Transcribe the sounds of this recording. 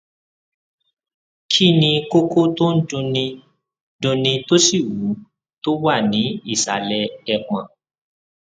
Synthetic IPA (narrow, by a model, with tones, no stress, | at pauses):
kʰi˦˨nĩ˧ko˦ko˦to˦n̩˦dũ˧nĩ˧ | dũ˧nĩ˧to˦si˦˨wu˨˦ | to˦wa˦˨nĩ˨˦i˦˨sa˨lɛ˧ɛ˧˨k͡pã˨